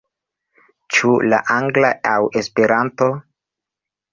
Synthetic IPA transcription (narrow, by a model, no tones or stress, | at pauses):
t͡ʃula̰ʔaŋɡlaawe̞spe̞ɾanto̞